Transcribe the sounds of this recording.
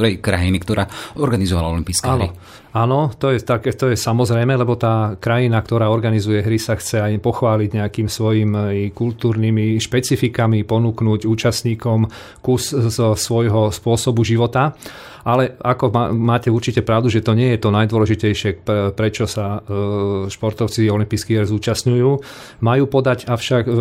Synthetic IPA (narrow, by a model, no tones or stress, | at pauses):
ɾɛjkɾa̰jinikt̪ɔɾaːɔɾɡanizɔʋala̰ɔlimpiːskɛaːɦnɾɔi | aːnɔt̪ɔjɛt̪akɛt̪ɔjɛsamɔzɾɛjmɛlɛbɔt̪aːkɾajinakt̪ɔɾaːɔɾɡanizujɛɦɾisaxt͡sɛajpɔxʋaːliɟɲɛakiːmsʋɔjimikult̪uːɾnimiʃpɛt͡sifikamipɔnuːknuːɟuːt͡ʃasɲiːkɔm | kuszsʋɔjɦɔspʊɔsɔbuʒiʋɔt̪a | ʔalɛakɔamaːcɛuɾt͡ʃicɛpɾaʊd̪uʒɛt̪ɔɲɪɛjɛt̪ɔnajd̪ʊɔlɛʒicɛjʃɪɛpɾɛt͡ʃɔsa | ʃpɔɾt̪ɔʊt͡siɔlimpiːskiːɦɛɾzuːt͡ʃasɲujuː | majuːpɔd̪aɟafʃak